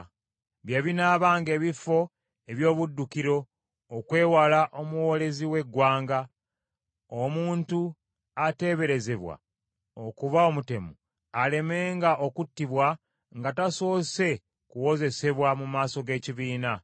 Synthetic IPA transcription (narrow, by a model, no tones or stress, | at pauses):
βjaβinaːβaːŋɡe̞ːβifo̞ | e̞βjo̞ːβudːukiɾo̞ː | kwe̞ːwalaʔo̞muwo̞le̞ziwe̞ɡːwaːŋɡa | omuːntu | ate̞ːβe̞ɾe̞ze̞βwa̰ | okuβao̞mute̞mu | ale̞me̞ːŋɡaʔo̞kutːiβwa | ŋɡataso̞ːse̞ | kuwo̞ze̞se̞βwamumaːso̞ɡe̞ːciβiːna